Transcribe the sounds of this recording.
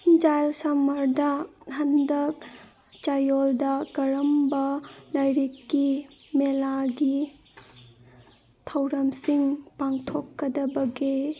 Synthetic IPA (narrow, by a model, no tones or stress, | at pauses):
d͡ʒajlsɐmɐɾdɐhʰɐndɐp̚ | t͡ʃajoldɐɡɐɾɐmbɐlɐjɾikːimelaɡi | tʰɐwɾɐmsiŋpaŋtʰɔkːɐdɐbɐɡe